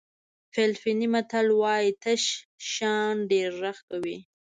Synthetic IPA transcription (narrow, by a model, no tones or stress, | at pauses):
fɪlfinimat̪alwɑjit̪aʃʃɑnɖeɾːaxkawi